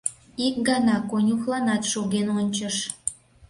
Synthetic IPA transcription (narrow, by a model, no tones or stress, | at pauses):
ik̚ɡɑnɑkonʲuxlˠɑnɑt̪ʃoɣenonʲt͡ɕəʃ